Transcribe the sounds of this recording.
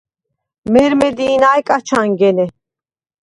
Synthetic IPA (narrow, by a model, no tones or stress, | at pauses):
mɛɾmɛd̪iːnajkʼat͡ʃʰaŋɡɛnɛ